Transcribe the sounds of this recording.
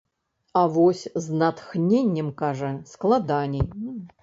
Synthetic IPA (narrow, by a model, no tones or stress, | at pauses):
avɔsʲznat̪xnʲenʲːɛmkaʐɐsklˠad̪anʲɛj